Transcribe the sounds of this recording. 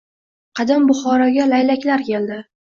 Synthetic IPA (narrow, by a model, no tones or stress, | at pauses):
qʰɑd̪ambʊχɒɾɒɡʲalajlakʲlaɾkʲʰe̞ld̪ɪ